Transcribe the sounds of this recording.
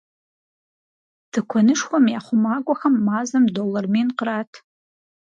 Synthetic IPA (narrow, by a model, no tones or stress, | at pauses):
d̥ɨkʷʰɔnɨʂxʷamjaχʷʊmaɡʷʼɔxɐmːaːzɐmdolɐrminqraːtʰ